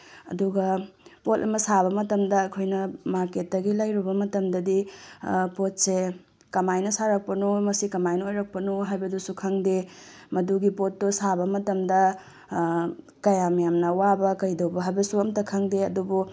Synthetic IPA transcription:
ɐ̰duɡɐpotʔɐ̰mɐsaβɐmɐtɐmdɐːkʰojnɐmaɾketːɐɡilajɾubɐmɐtɐmdɐdi | pot̚se | kɐmajnɐsaɾɐk̚pɐnumɐsikɐmajnɐojɾɐk̚pɐnuɦajbɐdusukʰɐŋdemɐduɡipotːosabɐmɐtɐmdɐ | kɐjamɐjamnɐwabɐkɐjdɐwbɐɦajbɐsuɐmtɐkʰɐŋdeɐdubu

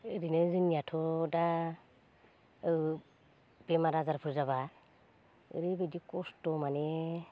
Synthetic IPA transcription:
ɾinɯzɯnjatʰɔda | b̥emaɾazaɾpʰuɾzaβa | ɯ̰ɾibedikɔstɔmane

